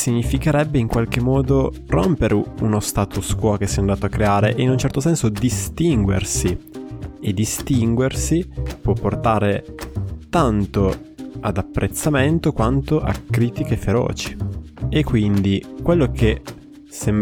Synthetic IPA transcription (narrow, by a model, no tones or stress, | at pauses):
siɲːifikeɾɛbːeiŋkwalk̟emːɔːd̪o | ro̰mpeɾʔeunost̪aːt̪uskwɔk̟esɛand̪aːt̪oakːɾeaːɾeʔeinunt͡ʃɛrt̪osɛnsod̪ist̪iŋɡwḛrsi | ed̪ist̪iŋɡwersipwɔpːort̪aːɾe | t̪ant̪o | ad̪apːɾʔet̪sːament̪okwant̪oʔa̰kɾiːt̪ik̟efeɾɔ̰ːt͡ʃi̥ekːwind̪ikwelːokʰe | sem